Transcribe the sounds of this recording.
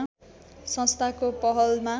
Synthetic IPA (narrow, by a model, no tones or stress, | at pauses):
sʌ̃nst̪ʰakopʌɦʌlma